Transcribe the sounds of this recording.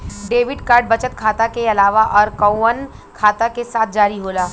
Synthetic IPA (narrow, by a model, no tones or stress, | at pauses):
ɖeːʋɪɖkaːɾɖ̚bɐt͡ʃət̪̚kʰaːt̪akeɐlaːʋaʔɔːɾkɐən | kʰaːt̪akesaːt̪̚ʰd͡ʒaːɾiɦoːlaː